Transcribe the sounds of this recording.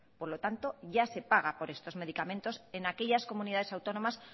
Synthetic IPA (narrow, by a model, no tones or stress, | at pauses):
po̞ɾlo̞t̪ant̪o̞ʝase̞paɣ̞apo̞ɾe̞st̪o̞zme̞ðikamẽ̞nt̪o̞se̞nake̞ʎasko̞mũniðaðe̞sawt̪o̞no̞mas